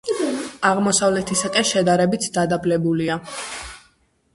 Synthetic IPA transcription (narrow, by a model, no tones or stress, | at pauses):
aʁmɔsavlɛt̪ʰisakʼɛnʃɛd̪aɾɛbit̪ʰd̪ad̪ablɛbulia